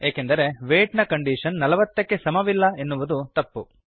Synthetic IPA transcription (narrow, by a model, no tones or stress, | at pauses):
eːkend̪ɐɾe̞ʋeːʈnɐkɐɳɖiːʂɐnːɐlɐʋɐt̪ːɐkːe̞sɐmɐʋilːɐe̞nːuʋud̪ut̪ɐpːu